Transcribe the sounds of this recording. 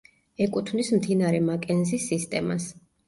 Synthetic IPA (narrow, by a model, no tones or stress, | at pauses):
ɛkʼut̪ʰvnismd̪inaɾɛmakʼɛnzisːist̪ʼɛma̰s